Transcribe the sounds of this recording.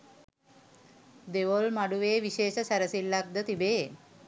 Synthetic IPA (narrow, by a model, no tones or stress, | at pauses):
d̪eʋolmaɽuʋeːʋiɕeːʃəsɛɾəsilːaɡ̚d̪ət̪ibeː